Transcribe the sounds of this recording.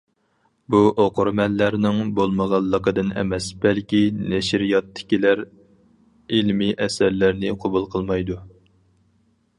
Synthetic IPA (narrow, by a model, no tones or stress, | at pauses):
buʔoqʊɾmɛlːæɾnɪŋbolˠməʁɑlˠːəqəd̪ɨnɛ̰mɛsb̥ɛlkʲinɛʃɾijɑt̪ʰːɪ̥kʲilæɾ | ilmiʔɛsæɾlæɾnɪqʰobulˠqʰəlˠmɑjd̪u